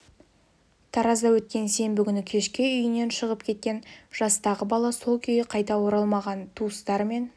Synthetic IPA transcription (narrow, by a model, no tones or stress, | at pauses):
t̪ʰɑɾɑzd̪ɑwɵt̪̚kʲe̞nse̞mbɪkʲʏnɪkʲʰe̞ʃkʲɪʏjɪne̞nʃəʁəpkʲʰe̞t̪̚kʲe̞nʒ̥ɑst̪ɑʁəbɑlˠɑso̞lˠkʲʰʏjɪqʰɑjt̪ɑwoɾɑlˠmɑʁɑnt̪ʰuəst̪ɑɾme̞n